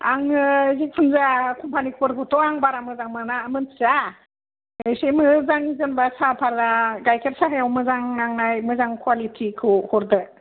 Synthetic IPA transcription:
aŋzik̚pʰɯnzakʰɔmpʰanikʰpɯɾɡɔtɔaŋbaɾamɯzaŋmanaːmɯnʰza | ejsemɯzaŋzɯnbasapʰaɾaɡajkʰeɾsaɦejawmɯzaŋnaŋnajmɯzaŋkʰwalitʰikʰɯhɔɾdɯ

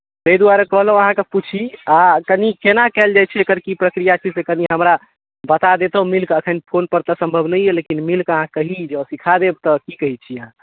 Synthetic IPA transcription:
t̪əid̪uaɾekəɦlɦũəɦãkeput͡ʃʰiakənikenakɛld͡ʒajt͡ʃʰɛekəɾkipɾəkɾijat͡ʃʰisekəniɦəmɾa | bət̪ad̪et̪əɦmilkəkʰənpʰonpəɾt̪əsə̃mbʱəbʱnəjelekinmilkəɦãkəɦid͡ʒəsikʰad̪eb̚t̪ɔkikəɦit͡ʃʰiəɦã

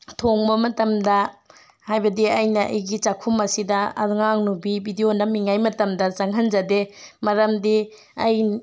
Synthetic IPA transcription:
tʰoŋbɐmɐtɐmdɐ | hajbɐdiɐjnɐʔɐ̰jɡit͡ʃakʰumɐsidɐɐ̰ŋaŋnubibʱidionɐmiŋajmɐtɐmdɐt͡ʃaŋɦɐnd͡ʒɐdemɐɾɐmdi | ɐj

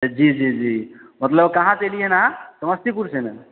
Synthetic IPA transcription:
d͡ʑiːd͡ʑid͡ʑimət̪ləbkaɦãt̪eliɦenaasəməst̪ikuɾsenə

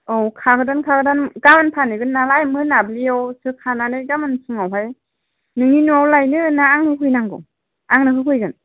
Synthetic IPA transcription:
ɔwkʰaɡɯdankʰaɡɯdanɡamɯnpʰanɯɡɯnːalajmɯnabliawsɯkʰananɯjɡamɯnsɯŋawɦaj | nɯŋinuawlajnɯnaːŋhɯkʰɯjnaŋɡɯ̰ | aŋnɯkɯkʰɯjɡɯn

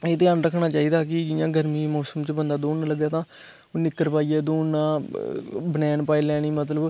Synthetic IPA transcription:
eːt̪eːənɾəkʰːnaːt͡ʃaːiːd̪aːkɪd͡ʒɪjãːɡəɾmiːmɔːsəmt͡ʃəbənd̪aːd̪oːnnləɡaːt̪ãː | nɪkːəɾpaːiːɛːd̪oːnnːãː | bənɛːnpaːiːlɛːɽ̃iːmət̪̬ləb

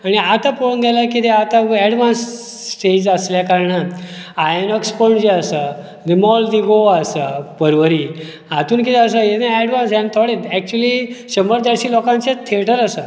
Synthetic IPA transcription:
aɽ̃iat̪aponɡ̪ɛlakit̪eat̪aɛɽʋãnsː | ʈed͡ʑəsljakaɾɳə | ajnɔkspəɳd͡ʑeəsə | ɾimɔld̪iɡoasəpəɾʋəɾiː | at̪uːnkit̪ɛəs̬əet̪naɛɽʋansɛ̃nt̪ʰɔɽet̪ɛk̚t͡ɕuəliɕəməɾd̪aɽɕiːlɔkãnt͡set̪ʰeʈəɾəsə

